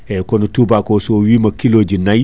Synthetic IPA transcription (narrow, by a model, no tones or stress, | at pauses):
ɛkɔnɔtubakɔsɔwimakiloːd͡ʒinaj